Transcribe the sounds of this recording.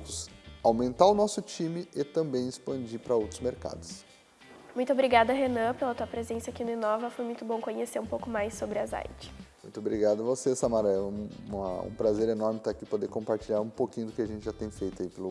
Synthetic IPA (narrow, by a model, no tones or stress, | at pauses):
ʊsawmẽnt̪aʊnɔsʊt͡ʃĩmɪet̪ɐ̃bẽj̃ɪspɐ̃nd͡ʒiɾpɾɐowt̪ɾʊzmeɾka̰d̪ʊs | mũj̃t̪ʊobɾiɡad̪ɐɦenɐ̃pelɐt̪uɐpɾezẽsɐakinʊĩnɔvɐfojmũj̃t̪ʊbõkõɲeseɾũpowkʊmajsobɾɪaza̰jt͡ʃɪ̥mũj̃t̪obɾiɡad̪ʊɐvosesɐmaɾɐɛũɐ̰ṵ̃pɾazeɾenɔɾmɪt̪aakipod̪eɾkõpaɾt͡ʃilʎaɾũpokĩɲʊd̪ʊkɪaʒẽnt͡ʃɪʒat̪ẽj̃fejt̪aipelʊ